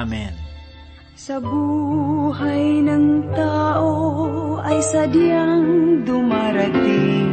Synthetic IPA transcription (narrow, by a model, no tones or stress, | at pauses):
mɛn | sɐbuːɦajnɐŋt̪aːʔoʔɐjsɐd̪jaŋd̪ʊmaɾɐt̪ɪŋ